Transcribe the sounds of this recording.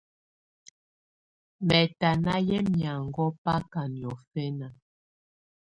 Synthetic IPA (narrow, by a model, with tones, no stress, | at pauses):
mɛ˨ta˨na˦jɛ˦mja˨ŋɡɔ˦pa˦ka˨njɔ˨fɛ˦na˨